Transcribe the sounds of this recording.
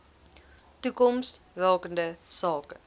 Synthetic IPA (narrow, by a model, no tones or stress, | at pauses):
tukɔmstvæːkəndəsɑːkə